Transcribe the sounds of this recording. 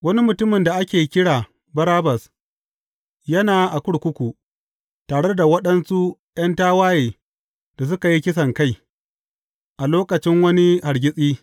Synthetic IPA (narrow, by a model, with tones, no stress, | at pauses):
wɐ˦ni˦mʊ˨tʊ˦mɪ˨nda˨ʔa˦kʲeː˨˦kʲɪ˦ɽaː˨ | bɐ˦ɾaː˦bɐ˨s | jɐ˦naː˨ʔa˨kʷʊ˦ɽkʷʊ˦kʷu˨ | taː˨ɽe˦da˨wɐ˦ɗɐ˦nsu˦ | j̰ɐ˦ntaː˦waː˦jeː˨ | d̥a˨s̬ʊ˦ka˨ji˦kʲɪ˦s̬ɐ˨ŋka˦j | ʔa˨loː˦kɐ˨t͡ʃɪ˦ŋwɐ˦ni˦ha˨ɽɡʲɪ˦sʼiː˦